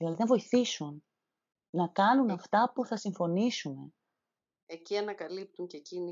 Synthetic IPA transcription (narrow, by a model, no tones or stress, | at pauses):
ilɐðinɐvo̞iθisunː | ɐkɐnunɐft̪ɐpuθɐsiɱfo̞nisune̞ | e̞ciɐnɐkɐlip̚t̪uɲcecini